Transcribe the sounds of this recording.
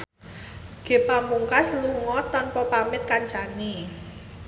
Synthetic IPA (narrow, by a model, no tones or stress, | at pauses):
ɡ̥e̤pamuŋkasluŋɔt̪ɔnpɔpamɪt̪̚kant͡ʃani